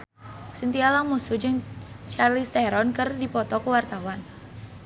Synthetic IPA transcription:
sənt̪ialaŋmusud͡ʒɨŋ | t͡ʃarlist̪ɛɾɔnkərdipɔt̪ɔkəwart̪awan

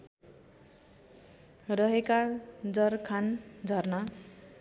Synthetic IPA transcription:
rʌɦekad͡zʌrkʰand͡zʱʌrnʌ

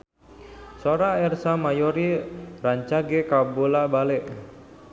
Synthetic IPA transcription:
soɾaɛrsamajoɾiraɲt͡ʃaɡekabolabalɛʔ

